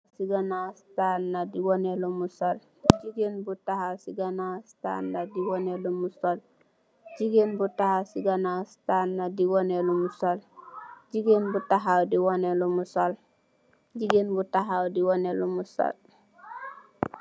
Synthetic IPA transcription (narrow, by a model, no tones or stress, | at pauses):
siɡanastanːadiwɔnelumusol | d͡ʒiɡenbutahasiɡanawsta̰ndadiwɔnelumusol | d͡ʒiɡenbutahasiɡanastanːadiwɔnelumusold͡ʒiɡenbutaɦawdiwɔnelomusol | d͡ʒiɡenbutaɦawdiwɔnelumuso̰l